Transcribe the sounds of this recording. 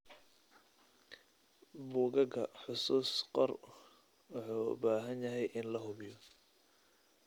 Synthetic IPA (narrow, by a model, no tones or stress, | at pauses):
buːɣɐɣɐħʊsuːsqɔr | wɑħṵːbaːɦɐnjɐɦɛjʔɪnlɐɦʊβɪjɔ